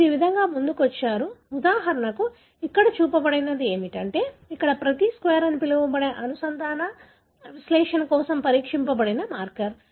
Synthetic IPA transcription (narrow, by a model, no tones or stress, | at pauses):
iiːʋid̪ʱɐŋɡaːmund̪ukuʋɐt͡ʃːaːɾuud̪aːɦɐɾɐɳɐku | ikːɐɽɐt͡ʃuːpɐbɐɽinɐd̪ie̞ːmiʈɐɳʈe̞ːikːɐɽɐpɾɐt̪iskʋeːɾɐnipilɐʋɐmbɐɽeʔɐnusɐnt̪aːnɐ | ʋisleːʂɐnkɔːsɐmpɐɾiːkʂimpɐbɐɽinɐmaːɾkɐɾ